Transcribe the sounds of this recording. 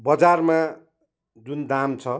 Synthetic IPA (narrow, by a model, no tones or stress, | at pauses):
bʌd͡zarma | d͡zund̪amt͡sʰʌ